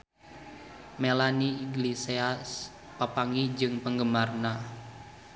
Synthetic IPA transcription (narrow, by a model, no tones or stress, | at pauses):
melaniiɡliseas | papaŋid͡ʒɨŋpəŋɡəmarna